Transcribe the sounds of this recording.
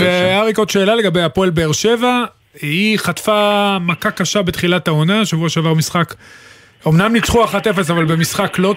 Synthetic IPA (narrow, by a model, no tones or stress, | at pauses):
veaʁikot̪ʃe̞ːlale̞ɡabejapoelbe̞eʁʃe̞va | iχatfamakakaʃabe̞t̪χilataonaʃavuaʃeavaʁmisχak | o̞mnamnit͡sχuaχatefe̞s̬avalbe̞misχaklo̞